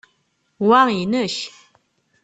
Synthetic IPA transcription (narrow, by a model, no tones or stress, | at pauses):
waŋjinəɕ